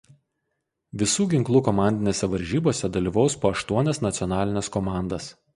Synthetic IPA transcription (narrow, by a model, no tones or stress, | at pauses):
ʋʲɪsuːɡʲɪŋklˠuːkɔmɑˑnʲd̪ʲɪnʲeːsʲɛʋɐɾʲʒʲiːboːsʲɛd̪ɐlʲiːʋɒʊspoːɐʃt̪uɔnʲɛsnɐt̪sʲiɔnɑːlʲɪnʲɛskɔmɑˑnd̪ɐs